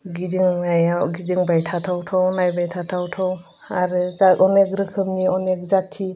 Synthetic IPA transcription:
ɡidiŋnajawɡidiŋbajtʰatʰawtʰawnajbajtʰatʰawtʰaw | aɾɯzakɔnekɾɯkʰɯmniɔnek̚zatʰi

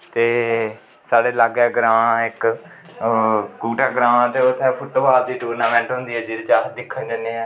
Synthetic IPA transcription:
t̪eː | saːɽeːlaːɡɛːɡɾãːãɪk | kuːʈaːɡɾãːãːt̪eːʊt̪ʰːɛ̃ːpʰʊʈʋaːɾd̪iːʈuːɾnaːmɛ̃ːɳʈɦʊ̃nd̪iːɛːd͡ʒiːɾt͡ʃaːd̪ɪkʰːənd͡ʒənːeːɛː

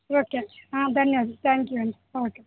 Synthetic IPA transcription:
oːkːeat̪ɐnːeaːd͡ʒut̪ʰæːŋkjuɐɳɖ | oːkːe

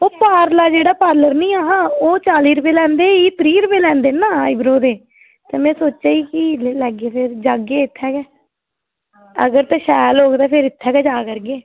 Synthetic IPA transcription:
oːpaːɾlaːd͡ʒeːɽaːpaːɾləɾnĩːaːɦãːoːt͡ʃaːliːɾʊpeːlɛ̃ːnd̪eːiːt̪əɾiːɾʊpeːlɛ̃ːnd̪eːnaːibɾoːd̪eː | t̪eːmɛ̃ːsoːt͡ʃaːiːkɪlɛːɡeːpʰɪɾd͡ʒaːɡeːɪt̪ʰːɛːkɛː | ə̰ɡəɾt̪ɛ̃ːʃɛːlɦoːɡt̪aːpʰɪɾɪt̪ʰːɛːkɛːd͡ʒaːkəɾɡeː

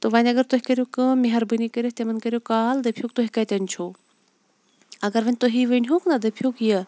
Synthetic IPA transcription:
t̪oʋɐnʲɐɡɐɾt̪oɦʲikɐɾʲjokɨmiɦɐɾbɨnikəɾʲist̪emɐnkɐɾʲjokaːld̪ɐpʰjok̚t̪oɦikɐt̪ʲɐnʲt͡ʃʰo | ɐɡɐɾʋɐnʲt̪oɦiʋənʲɦoknad̪ɐpʰjukjɐ

